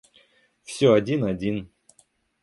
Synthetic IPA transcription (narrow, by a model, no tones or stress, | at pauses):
fsʲɵɐdʲinɐdʲin